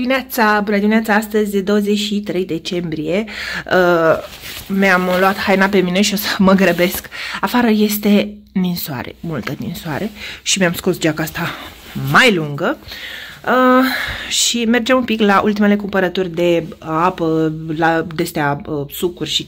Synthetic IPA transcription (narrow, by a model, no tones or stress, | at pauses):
iminat̪sabunəd̪iminat̪saast̪əzʲd̪o̞wəzet͡ʃʃit̪ɾe̞jd̪e̞t͡ʃe̞mbɾije̞ə | meamloat̪hajnap̬e̞mine̞ʃio̞səməɡɾəbe̞skafaɾəje̞st̪e̞ | ninsoa̰ɾḛmult̪ənḭnsoa̰ɾe̞ʃimeamsko̞sd͡ʒakaast̪a | majluŋɡə | ə | ʃime̞rd͡ʒamumpiklaʔult̪ime̞le̞kumpəɾət̪urʲd̪e̞apəlad̪e̞st̪easukurʲʃi